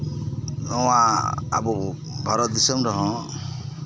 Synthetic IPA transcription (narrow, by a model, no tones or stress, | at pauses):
nɔwaa̰bɔ | bʱaɾɔt̪̚d̪isɔmɾɔɦɔ̃